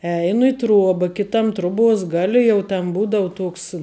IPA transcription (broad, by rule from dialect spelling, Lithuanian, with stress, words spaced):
ˈɛɪnʊ ɪ ˈtruɔbɐ ˈkʲɪtɐm ˈtrʊˌbuɔs ˈɡɑːlʲɪ jɛʊ tʲɛn ˈbuːdɐʋʊ ˈtuɔks